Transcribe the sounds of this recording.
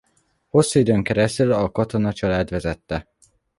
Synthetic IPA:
ho̞sːuid̪øːŋkɛɾɛst̪ylɒkɒt̪o̞nɒt͡ʃɒlaːd̪ʋɛzɛt̪ːɛ

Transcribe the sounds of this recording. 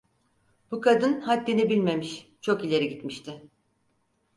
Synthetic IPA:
b̥ukʰad̪ɯnhat̪̚d̪inibilʲme̞miʃt͡ʃʰo̞kilʲe̞ɾiɟit̪miʃt̪ʰɪ

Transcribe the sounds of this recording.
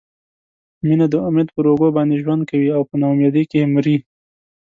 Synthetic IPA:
minad̪əamjat̪̚pəɾoɡobɑnd̪eʒwand̪̚kawiawpənamjɑd̪ekemɾi

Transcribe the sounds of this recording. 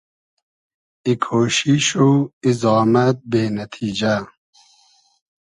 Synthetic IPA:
ikʰoːɕiɕuizɑːmɐt̪̚beːnɐt̪ʰiːd͡ʑɐ

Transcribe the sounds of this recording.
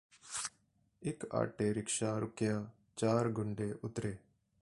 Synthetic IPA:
ɪka̰ːʈeːɾɪkʃaːɾʊkjaː | t͡ʃaːɾɡʊɳɖeːʔʊt̪ɾeː

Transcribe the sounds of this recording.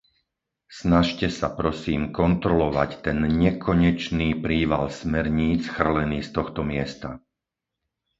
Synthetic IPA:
snaʃcɛsapɾɔsiːmkɔnt̪ɾɔlɔʋact̪ɛnɲɛkʰɔɲɛt͡ʃniːpɾiːʋa̰lsmɛɾɲiːt͡sxr̩lɛniːst̪ɔxt̪ɔmɪɛst̪a̰

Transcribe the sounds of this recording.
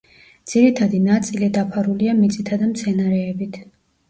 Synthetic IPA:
d̪z̥iɾit̪ʰad̪inat̪sʼilid̪apʰaɾuliamit̪sʼit̪ʰad̪amt̪sʰɛnaɾɛːbit̪ʰ

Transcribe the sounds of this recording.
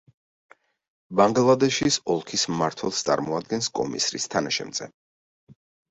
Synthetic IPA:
baŋɡlˠad̪ɛʃisɔlˠkʰismaɾt̪ʰwɛlˠst̪sʼa̰ɾmɔad̪̚ɡɛnskʼɔ̰mḭsɾḭst̪ʰanaʃɛ̰mz̥ɛ

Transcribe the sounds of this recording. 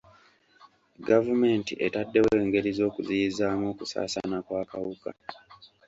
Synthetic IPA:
ɡavume̞ːntḭʔetadːe̞we̞ːŋɡe̞ɾizo̞ːkuzijizaːmo̞ːkusa̰ːsa̰nakwaːkawuka̰

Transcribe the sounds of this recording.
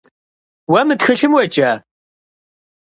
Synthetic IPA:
wɐmɨtxɨɬɨmwɐt͡ʃʼa

